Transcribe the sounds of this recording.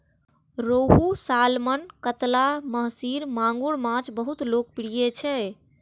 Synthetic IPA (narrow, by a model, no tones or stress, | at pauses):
ɾoɦusalmənkət̪laməɦsiɾmãŋɡuɽmãt͡ʃbəɦut̪lok̚piɽijet͡ʃʰɛ